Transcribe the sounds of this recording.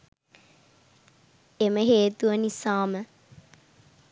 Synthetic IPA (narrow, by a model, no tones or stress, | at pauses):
eməɦeːt̪uʋənisaːmə